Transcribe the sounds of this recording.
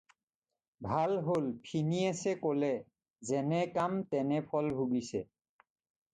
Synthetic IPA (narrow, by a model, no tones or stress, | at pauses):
bʱalɦolpʰiniasɛkolɛ | zɛnɛkamt̪ɛnɛpʰɔlbʱubisɛ